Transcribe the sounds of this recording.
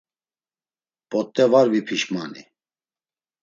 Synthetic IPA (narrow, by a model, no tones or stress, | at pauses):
pʼɔt̪ʼːɛvaɾvipʰiʃmani